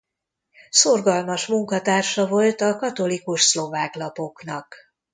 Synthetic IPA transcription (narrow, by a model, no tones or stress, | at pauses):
so̞rɡɒlmɒʃmuŋkɒt̪aːrʃɒvo̞lt̪ɒkɒt̪o̞likuʃslo̞vaːklɒpo̞knɒk